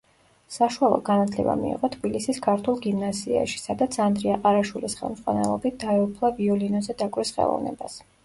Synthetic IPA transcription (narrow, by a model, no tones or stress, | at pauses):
saʃualˠɔ̰ɡanat̪ʰlɛba̰mḭḭʁɔt̪ʰbilisiskʰaɾt̪ʰulˠɡimnazia̰ʃi̥sad̪at̪sʰand̪ɾiaqʼaɾaʃwilisχɛ̰lˠmz̥ʼʁwa̰nɛ̰lˠɔbit̪̚ʰd̪̥aɛupʰlˠaviɔlinɔzɛd̪akʼwisχɛ̰lˠɔ̰vnɛ̰bas